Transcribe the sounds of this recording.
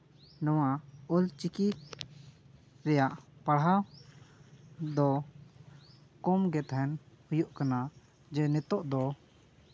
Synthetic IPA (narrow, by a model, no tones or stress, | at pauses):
nɔwaɔlt͡ʃiki | ɾɛjaʔpaɽɦaw | d̪ɔ | kɔmɡɛt̪ɦɛn | hujuʔkana | d͡ʒɛnɛt̪ɔʔd̪ɔ